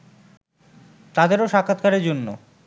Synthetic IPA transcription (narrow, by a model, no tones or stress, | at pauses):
t̪ad̪eɾoʃakʰːat̪kaɾeɾd͡ʑonːo̰